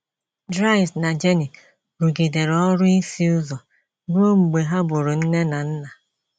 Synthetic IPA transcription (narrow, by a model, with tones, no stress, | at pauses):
dɾa˦ɪ˨sna˨d͡ʒe˦ni˨ | ɾu˨ɡe˨de˨ɾɔ˦ɾʊ˦i˦si˦ʊ˦zɔ˨ | ɡo˦ŋ͡m̩˨ɡ͡be˨ɦa˦bʊ˨ɾʊ˨n̩˦ne˦na˨n̩˦na˨